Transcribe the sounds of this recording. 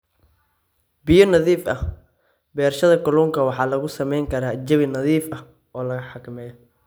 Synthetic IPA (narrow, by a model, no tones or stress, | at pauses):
bɪjɔnɐðiːfɐh | bɛːrʃɐðɐkɐluːŋkʰɐwɑħɑːlɐɣʊsɐmɛjŋkʰɐɾaːd͡ʒɐβɪnɐðiːfɐ | ʔɔːlɐɣɐħɑkʰɐmɛːjɔ